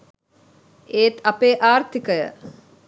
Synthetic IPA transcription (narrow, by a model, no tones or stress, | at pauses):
eːt̪apeːʔaːrt̪ikəjə̰